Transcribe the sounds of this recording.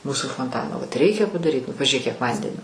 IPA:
ˈmuːsʊ foːnˈtɑːnoː ʋɐt ˈrʲɛɪkʲɛ pɐdɐˈrʲiːt nʊ pɐʒʲʊˈrʲeːk kʲiɛk ˈʋɐnʲdʲɛnʲoː

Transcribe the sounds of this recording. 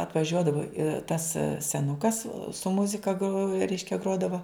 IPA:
ɐtʋɐˈʒʲuɔdɐʋoː ɪr tɐs sʲɛˈnʊkɐs sʊ ˈmʊzʲɪkɐ ɡroː ˈrʲɛɪʃʲkʲɛ ˈɡroːdɐʋoː

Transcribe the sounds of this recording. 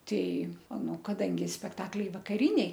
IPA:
ˈtʲɛɪ ˈnʊ kɐˈdɐŋʲɡʲɪ sʲpʲɛkˈtɑːklʲɛɪ ʋɐkɐˈrʲɪnʲɛɪ

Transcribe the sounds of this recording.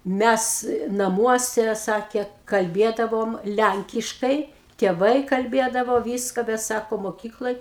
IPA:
ˈmʲæs nɐˈmuɔsʲɛ ˈsɑːkʲeː kɐlʲˈbʲiɛdɐʋoːm ˈlʲæŋʲkʲɪʃkɐɪ tʲiɛˈʋɐɪ kɐlʲˈbʲeːdɐʋoː ˈʋʲiːskɐ bʲɛt ˈsɑːkoː moːˈkʲiːklˠoːj

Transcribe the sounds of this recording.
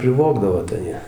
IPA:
pʲrʲɪˈʋoːɡdɐʋoː tɐɪ ˈjiɛ

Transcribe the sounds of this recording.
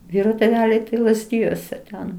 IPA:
ˈʋʲiːroː tʲeːˈʋʲæːlʲɛɪ tɐɪ lˠɐzʲˈdʲɪjuɔsʲɛ tʲɛn

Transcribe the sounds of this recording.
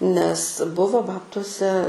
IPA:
nʲɛs ˈbʊʋoː ˈbɑːptuɔsʲɛ

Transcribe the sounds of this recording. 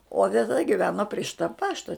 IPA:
oː tʲɛˈtɐ ɡʲɪˈʋʲæːnoː pʲrʲiɛ ˈʃʲɪtɐ ˈpɑːʃtɐ

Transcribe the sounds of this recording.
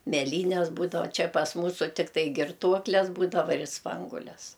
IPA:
mʲɛˈlʲiːnʲɛs ˈbuːdɐʋɐ ˈt͡ʃʲɛ pɐs ˈmuːsʊ ˈtʲɪktɐɪ ɡʲɪrˈtuɔklʲɛs ˈbuːdɐʋɐ ɪr ˈspɐŋɡuɔlʲɛs

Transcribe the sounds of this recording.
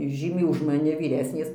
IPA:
ˈʒʲiːmʲɛɪ ʊʃ mɐˈnʲɪ ʋʲiːˈrʲæːsʲnʲeːs

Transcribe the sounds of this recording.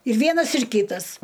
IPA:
ɪr ˈʋʲiɛnɐs ɪr ˈkʲiːtɐs

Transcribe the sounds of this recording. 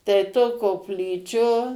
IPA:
tɐɪ toː koːpʲˈlʲiːt͡ʃʲoː

